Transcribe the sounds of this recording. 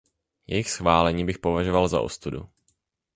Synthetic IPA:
jɛjɪxsxvaːlɛɲiːbɪxpo̞vaʒovalza̰ʔo̰st̪udṵ

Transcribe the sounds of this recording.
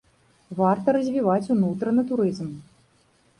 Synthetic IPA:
vart̪ɐɾɐzʲvʲivat͡sʲunut̪ɾɐnɨt̪uɾɨzm

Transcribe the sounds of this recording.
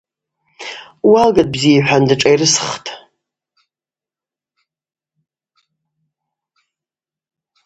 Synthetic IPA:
walɡat̚ʼbziiħʷᶣandɨʈ͡ʂʼajrɨsχtʰʼ

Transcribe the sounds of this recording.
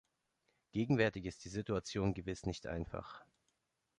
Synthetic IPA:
ɡ̥eːɡŋ̩vɛɐtɪçɪst̚d̥iːzɪtuat͡sjoːnɡəvɪsnɪçtʔa̰ɪnfa̰χ

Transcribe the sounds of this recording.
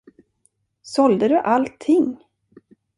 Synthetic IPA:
sɔld̪əd̪ɵʔalt̪ʰːɪŋ

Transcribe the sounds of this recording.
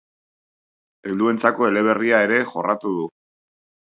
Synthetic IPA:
e̞ld̪ue̞nt͡sako̞e̞le̞β̞e̞riae̞ɾe̞xo̞rat̪uð̞u

